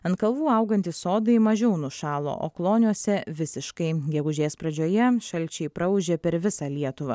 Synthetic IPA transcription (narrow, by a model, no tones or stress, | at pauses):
ɐnt̪̚kɐlˠʋuːɐʊɡɐnʲt̪ʲɪsoːd̪ɐɪmɐʒʲɛʊnʊʃɑːlˠo̰ːʔo̰ːklˠoːnʲuɔsʲɛʋʲɪsʲɪʃkɐɪɡʲɛɡʊʒʲeːspɾɐd͡ʒʲoːjɛʃɐlʲt͡ʃʲɛɪpɾɐʊʒʲepʲɛɾʋʲɪsɑlʲiɛt̪ʊʋɐ̰ː